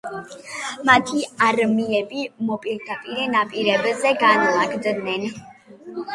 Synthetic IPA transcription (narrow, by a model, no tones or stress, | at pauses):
mat̪ʰiaɾmiɛbimɔpʼiɾd̪apʼiɾɛnapʼiɾɛbzɛɡanlaɡd̪nɛn